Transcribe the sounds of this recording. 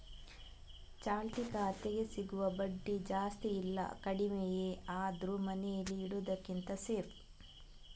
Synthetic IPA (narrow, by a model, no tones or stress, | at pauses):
t͡ʃaːlt̪ikaːt̪eɡe̞siɡuʋɐbɐɖːid͡ʒaːst̪iːlːɐ̰kɐɽimejeaːd̪ɾumɐnɛjɐlːiːɽud̪ɐkːint̪ɐseːɾ